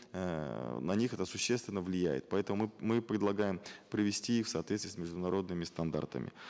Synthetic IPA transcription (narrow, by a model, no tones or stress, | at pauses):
nɐnʲixɛt̪əsʊɕːest̪vʲɪnːəvlʲɪjæjɪ̰t̪̚pɐɛt̪əmʊmɨmɨpɾʲɪd̪lˠɐɡajɪmpɾɪvʲɪsʲtʲiixfsɐːt̪vʲet̪st̪ijːsʲmʲɪʐd̪ʊnɐɾo̞d̪nɨmʲɪst̪ɐnd̪a̰rt̪ə̰mʲɪ̰